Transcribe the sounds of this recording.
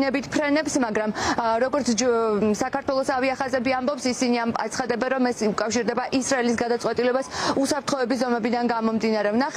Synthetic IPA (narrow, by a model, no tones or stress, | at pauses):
nɛbit̪ʰpʰɾɛnɛpsmaɡɾamɾɔɡɔɾt̪sʰd͡ʒsakaɾt̪ʰwɛlˠɔsaviaχazɛbiambɔpsisiniama̰t̪sʰχad̪ɛbɛnɾɔmɛsukʼafʃiɾd̪ɛbaʔisɾaɛlisɡad̪at̪sʼwɛt̪ʼilɛbasusapɾt̪ʰχɔɛbis̬zɔmɛbid̪anɡamɔmd̪inaɾɛvnaχ